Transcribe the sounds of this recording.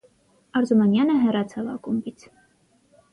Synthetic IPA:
ɑɾzumɑnjɑnəɦɛrɑt͡sʰɑvɑ̰kumbit͡sʰ

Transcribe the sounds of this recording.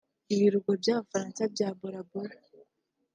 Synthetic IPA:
iβiɾuɡobjaːβafaɾaːnsabɟaːboɾaboɾ

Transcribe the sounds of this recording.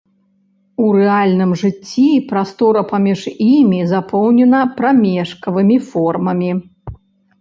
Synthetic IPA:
uɾɛalʲnɨmʐɨt͡sʲːipɾast̪ɔɾɐpamʲiʂimʲizapʰɔwnʲɛnɐpɾamʲɛʂkɐvɨmʲifɔrmɐmʲi

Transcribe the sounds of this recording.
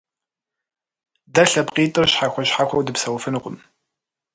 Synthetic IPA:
dɐɬɐpqiːtʼɨrɕħaxʷɔɕħaxʷɐwdɨpsɐwfɨnqʷʊm

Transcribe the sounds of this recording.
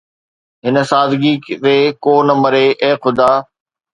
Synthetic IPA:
ɦɪnə̆saːd̪ɡiɾeːkoːnəməɾeʔeːxʊd̪aː

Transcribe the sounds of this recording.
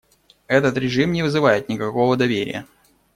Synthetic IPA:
ɛt̪ət̪ɾʲɪʐɨmnʲɪvɨzɨvajɪt̪̚nʲɪkɐko̞vəd̪ɐvʲeɾʲɪ̰jə̰

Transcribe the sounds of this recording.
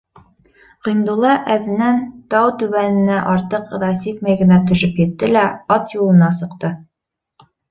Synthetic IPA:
ʁĭjnd̪ulˠɑʔæðɘ̆nænt̪ɑwt̪ʉβænɘ̆næʔɑɾt̪ɤqɤ̆ðɑsik̚mæjɡɘ̆næt̪ɵ̆ʃɵpjɘ̆t̪ːɘlæɑt̪julˠɤ̆nɑsɤ̆qt̪ɤ

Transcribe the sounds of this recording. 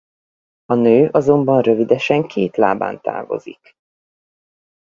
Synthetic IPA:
ɒnøːʔɒzo̞mbɒnrø̞vid̪ɛʃɛŋkʰeːt̪la̰ːba̰ːnt̪a̰ːvo̞̰zḭk

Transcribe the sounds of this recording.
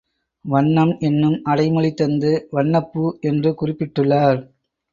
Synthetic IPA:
ʋɐɳːɐmʔɛnːɯmɐɽɐɪmɯɭit̪ːɐnd̪ɯʋɐɳːɐpːɯʔɛndrɯkʊrɪpːɪʈːɯɭːaːɾ

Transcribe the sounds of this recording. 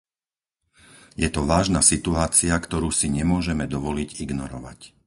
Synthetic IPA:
jɛt̪ɔʋaːʒnasit̪uaːt͡siakt̪ɔɾuːsiɲɛmʊɔʒɛmɛd̪ɔʋɔliɟiɡnɔɾɔʋa̰c

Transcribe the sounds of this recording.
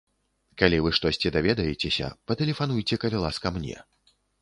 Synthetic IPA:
kalʲivɨʂt̪ɔsʲt͡sʲɛd̪avʲɛd̪ɐjet͡sʲesʲɐ̰pɐt̪ɛlʲɛfan̪ujt͡sʲɛkɐlʲilˠaskɐmnʲɛ̰

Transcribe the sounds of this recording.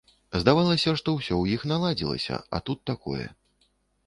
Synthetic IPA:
zd̪avalˠɐsʲɐʂt̪ɔwsʲɔwjixnalˠad͡zʲilˠɐ̰sʲɐ̰ɐ̰t̪ut̪ːakɔ̰jɛ̰

